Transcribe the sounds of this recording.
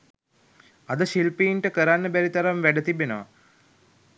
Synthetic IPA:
ɐd̪əʃilpiinʈəkəɾanːəbæɾit̪aɾamʋæɖət̪ibenəʋa̰

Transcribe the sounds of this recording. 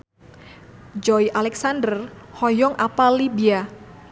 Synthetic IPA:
d͡ʒɔiʔalɛksandərhɔjɔŋʔapalibia

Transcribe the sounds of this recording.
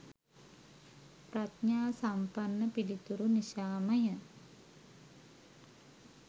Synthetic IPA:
prat̪ɲaːsampanːəpilit̪uɾuniʃaːməjə

